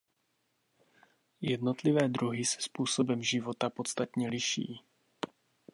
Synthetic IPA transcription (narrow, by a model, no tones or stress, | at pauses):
jɛdno̞t̪lɪvɛːd̪ɾuɦɪsɛ̥spuːsobɛmʒɪvo̞t̪apo̞t̪t͡st̪at̪ɲɛlɪʃḭː